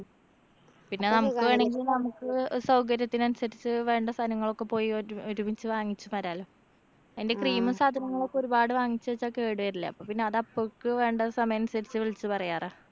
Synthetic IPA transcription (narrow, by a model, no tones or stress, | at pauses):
pinːe̞nɐmukːɨʋeːɳeŋɡilnɐmukːɨsɐwkɐɾjɐt̪ːinɐnusɐɾit͡ɕːɨʋe̞ːɳɖɐst̪ʰɐnɐŋːɐɭo̞kːe̞po̞ːjioɾubit͡ɕːɨʋaːŋːit͡ɕːumɐɾaːlu | ɐðinde̞kriːmɨsaːd̪ʱɐnɐŋːɐɭo̞kːeo̞ɾubaːɽɨʋaːŋːit͡ɕːuʋet͡ɕːakːeeːɽɨʋɐɾilːɐ̰ɐ̰pːoːpinːe̞ɐðɐpːokːɨʋe̞ːɳɖɐsɐmɐjɐnsɐɾit͡ɕːɨʋiɭit͡ɕːɨpɐrɐjaːraː